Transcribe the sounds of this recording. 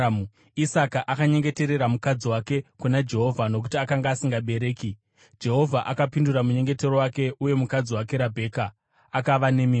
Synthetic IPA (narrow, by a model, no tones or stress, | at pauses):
isakaʔakaɲe̞ŋɡe̞te̞ɾe̞ɾamukad͡ziwake̞kunad͡ʒe̞ɦo̞vʱano̞k̬u̥tiakaŋɡaːsiŋɡaɓe̞ɾe̞ːki | d͡ʒe̞ɦo̞vʱaʔakapinduɾamuɲe̞ŋɡe̞te̞ro̞wake̞ʔuje̞mukad͡ziwak̬e̞ɾabʱe̞ːka | akaʋane̞mi